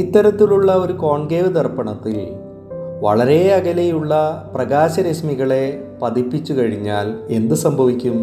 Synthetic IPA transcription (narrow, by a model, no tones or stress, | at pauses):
it̪ːɐɾɐt̪ːiluɭːɐo̞ɾuko̞ːɳɡeːʋd̪ɐrpɐɳɐt̪ːil | ʋɐ̰ɭɐɾe̞ɐɣɐlejuɭːɐprɐɡaːɕɐɾɐɕmiɣɐɭe̞pɐd̪ipːit͡ɕːukɐɻiɲːaːle̞nd̪usɐmbʱɐʋikʲːum